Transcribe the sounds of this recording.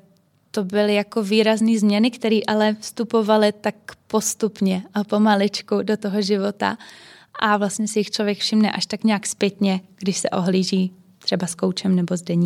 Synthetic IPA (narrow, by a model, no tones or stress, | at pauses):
t̪o̞bɪlɪjako̞viːɾazniːzmɲɛnɪkt̪ɛɾiːʔalɛfst̪upo̞valɪt̪akpo̞st̪upɲɛapomalɪt͡ʃkudo̞t̪oɦoʒɪvo̞t̪a̰ | ʔavlast̪ɲɛsɪjɪxt͡ʃlovjɛkfʃɪmnɛ̰ʔaʃt̪akɲaːkspjɛt̪ɲɛɡ̥dɪʃsɛ̰ʔo̞ɦliːʒiː | t̪r̥ɛbaskowt͡ʃɛmnɛbo̞zdɛɲiː